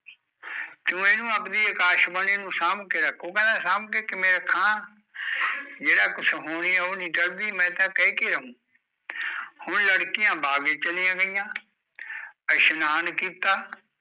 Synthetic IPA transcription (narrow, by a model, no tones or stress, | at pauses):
tũːeːnũːəpd̪iːɪkaːʃbəneːnũːsaːmkeɾəkʰõːkãːd̪aːsaːmkeːkɪmẽːɾəkʰːãː | d͡ʒeːɽaːkʊt͡ʃʰɦoːɽiːɛːoːnĩːʈəld̪iːmɛ̃ːt̪ãːkɛekeːɾəɦũː | hʊnləɽkɪjãːbaːɡeːt͡ʃəlijãːɡəɪjãː | ɛʃʊnaːnkiːt̪aː